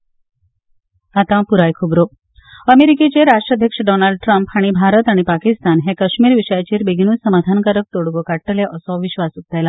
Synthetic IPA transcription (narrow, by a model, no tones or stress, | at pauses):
at̪ãpuɾajkʰubɾo | əmeɾiket͡ɕeɾaʂʈɾad̪ʱjəkʂəɖɔnalɖ̚ʈɾəmpaɽ̃ibʱaɾət̪aɽ̃ipakist̪anɦekəɕmiːɾʋiɕəjat͡ɕiːɾbeɡʱñuːsəmad̪ʱankəɾək̚t̪oɽɡokaʈːəleʔəsɔ̃ʋiɕʋasut̪ːajla